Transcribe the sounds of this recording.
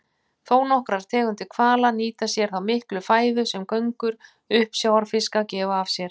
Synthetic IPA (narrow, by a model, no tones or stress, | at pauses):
θoːwnɔhkɾaɾ̥t̪ʰɛːɣʏnt̪ɪkʰvaːlaniːt̪asjɛɾ̥θawmɪhklʏfaːjðʏsɛmkœɥŋkʏɾ̥ | ʏhpsjawaɾfɪskacɛːvaːv̥sjɛɾ̥